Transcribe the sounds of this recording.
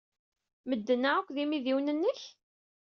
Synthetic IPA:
məd̪ːənːæəkʷːðimiðiwnənːəç

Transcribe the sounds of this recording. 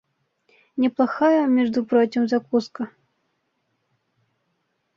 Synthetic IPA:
nʲɛplˠaxajɐmʲɛʐd̪ʊpɾɔtʲɪmzakuskɐ

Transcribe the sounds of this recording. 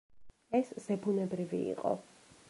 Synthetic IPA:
ɛsz̥ɛbunɛbɾivḭḭqʼɔ̰

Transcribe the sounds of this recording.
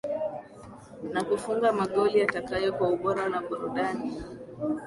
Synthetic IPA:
nakufuŋɡamaɠɔlijatakajɔkwauɓɔɾanaɓuɾuɗani

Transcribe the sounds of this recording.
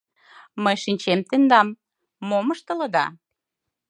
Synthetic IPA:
məjʃinʲt͡ɕemt̪end̪ɑmː | oməʃt̪ə̆ləd̪ɑ̰

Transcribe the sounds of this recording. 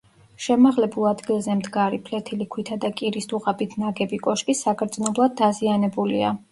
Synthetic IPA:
ʃɛmaʁlɛbulˠad̪ɡilˠzɛmd̪ɡaɾipʰlɛt̪ʰilikʰwit̪ʰad̪akʼiɾisd̪uʁabit̪ʰnaɡɛbikʼɔʃkʼisakʰɾt̪zʼnɔblˠad̪̚ːazianɛbulia̰

